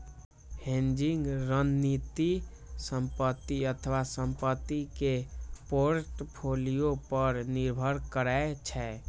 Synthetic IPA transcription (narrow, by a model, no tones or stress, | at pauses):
hẽnd͡ʒiŋɡɾənːit̪i | səmpət̪ːiət̪ʰəʋasəmpət̪ːikepoɾʈpʰolijopəɾniɾbʱəɾkəɾaet͡ʃʰɛ